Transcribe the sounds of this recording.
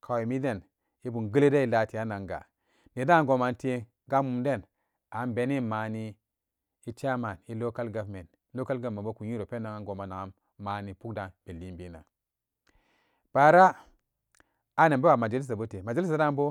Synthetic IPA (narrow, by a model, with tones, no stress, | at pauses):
kʰa˨we˨mi˦de˦˨n | i˦bu˨nɡə˦le˦de˦i˨la˨ti˨a˦na˨ŋɡa̰˨ | ne˨da˦a˦ŋɡo˨ma˨nti˦ | ɡa˦mu˨mde˦˨n | a˨˦mbe˨ni˦ma˨ni˦ | i˦t͡ʃa˦ma˨ni˦lo˦ka˦lɡa˨vme˨ntlo˦ka˦lɡa˨me˨bo˦ku˨ɲi˦ɾo˨pe˦nːa˨ŋa˦ŋɡo˨ma˨na˨a˨mː | a˨ni˨pu˦kda˨nb̥e˨li˦bi˦na̰˨ | b̥a˨ɾa˦ | a˦ne˨be˦wa˨ma˨d͡ʒa˨li˦s̬a˨bo˦te˨ma˨d͡ʒa˨˦i˦s̬a˨da˦m˦bo˦